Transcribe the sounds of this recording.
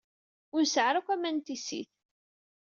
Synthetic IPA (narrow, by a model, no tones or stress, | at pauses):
ʊnsəʕɾakʷæmænt̪isḭθ